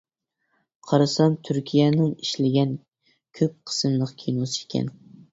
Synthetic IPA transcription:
qʰɑɾɨsɑmt̪ʰyɾkʲʰijɛnɪŋiʃlɪɡʲɛn | kʲʰøp̚qʰə̥sɨmlˠəqkʲʰejnosɨekʲʰɛ̰n

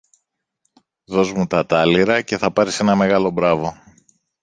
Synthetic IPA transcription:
ðo̞zmut̪ɐt̪ɐliɾɐce̞θɐpɐɾise̞nɐme̞ɣɐlo̞bɾɐvo̞

